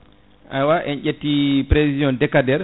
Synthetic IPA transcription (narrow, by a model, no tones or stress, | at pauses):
ʔajwaʔɛnʔetːipɾevizijɔndɛkadɛɾ